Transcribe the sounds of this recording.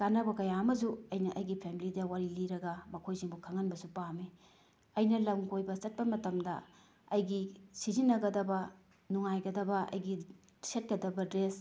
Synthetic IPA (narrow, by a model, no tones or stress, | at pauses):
kanɐbɐkɐjaɐmɐz̬uɐjnɐʔɐjɡipʰemilidɐwaɾiliɾɐɡɐmɐkʰojziŋbukʰɐŋɐnbɐsupami | ɐjnɐlɐmɡojbɐt͡ʃɐt̚pɐmɐtɐmdɐ̰ | ɐjɡisizinːɐɡɐdɐbɐ | nuŋajɡɐdɐbɐʔɐ̰jɡi | set̚kɐdɐbɐdɾes